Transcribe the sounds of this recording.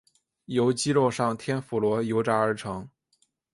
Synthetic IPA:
jo˧˥ʊt͡ɕi˥lo˥˧ʊʂɑ˥˩ŋt̪ʰjɛ˥nfu˨˩lwɔ˧˥jo˧˥ʊʈ͡ʂa˧˥ə˞˧˥ʈ͡ʂʰɤ˧˥ŋ

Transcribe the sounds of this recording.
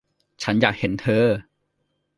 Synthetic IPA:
t͡ɕʰa˦˥njaː˨˩k̚he˩˦nt̪ʰɤː˧˥

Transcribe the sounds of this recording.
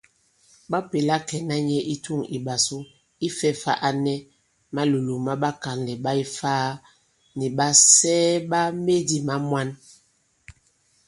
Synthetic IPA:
ɓa˦pe˨la˦kɛ˨na˦ɲɛ˦ʔi˦tu˦˨ŋḭ˨ɓa˨so˦ | i˦fɛ˦fa̰˦ʔa˦nɛ˦ | ma˦lu˨lo˨ma˦ɓa˦ka˨nlɛ˨ɓa˦i˦faː˦ | ni˨ɓa˦sɛː˦ɓa˦me˦di˦ma˦mwa˦n

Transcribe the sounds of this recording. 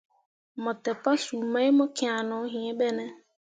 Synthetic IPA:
mɔ˨tɛ˨pa˦su˨ma˦ɪ˦mʊ˦kɪ̃˨˦a˨nʊ˨˦ɦi˨e˦bɛ˦nɛ˦

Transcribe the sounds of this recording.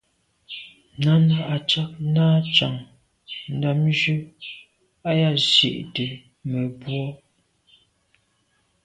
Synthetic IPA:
na˦na˦ʔa˨t͡ʃa˦k̚naː˦t͡ʃa˨ŋ | n̩˨da˨md͡ʒʉ˦ | a˦ja˦˨zḛ˨ʔtə˨ | mə˨bwɔ˦

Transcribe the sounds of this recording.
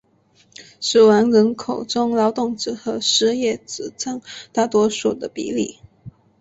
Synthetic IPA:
ʂɻ̩˨˩wa˧˥nɻə˧˥nkʰo˨˩ʊʈ͡ʂʊ˥ŋlɑ˧˥ʊt̪ʊ˥˩ŋʈ͡ʂɻ̩˨˩xɤ˧˥ʂɻ̩˥jɛ˥˩t͡sɹ̩˨˩t͡sʰə˥ŋt̪a˥˩t̪wɔ˥ʂu˨˩d̪ə˦pḭ˧˥lḭ˥˩

